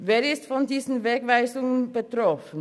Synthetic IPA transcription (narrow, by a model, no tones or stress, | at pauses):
veːɾɪstfɔndiːzn̩veːɡvaɪzʊŋənbətɾɔfən̩